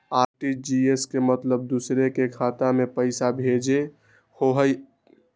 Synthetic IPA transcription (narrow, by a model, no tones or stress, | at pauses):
aɾʈid͡ʒieskemət̪ləb̚d̪usɾekekʰat̪amepəɪsabʱed͡ʒe | hoɦəj